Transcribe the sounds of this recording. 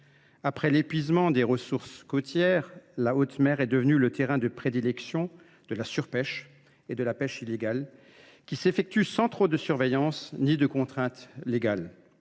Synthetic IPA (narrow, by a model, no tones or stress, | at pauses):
apχɛlepɥizmɑ̃d̪eʁəsuʁskot̪jɛʁlaot̪mɛʁɛd̪əvənylət̪eʁɛ̃d̪əpχed̪ilɛksjɔ̃ | d̪̥əlasyʁpɛʃ | ed̪əlapɛʃileɡal | kʲisefɛk̚t̪ysɑ̃t̪χod̪əsyʁvejɑ̃snid̪əkɔ̃t̪χɛ̃t̪leɡal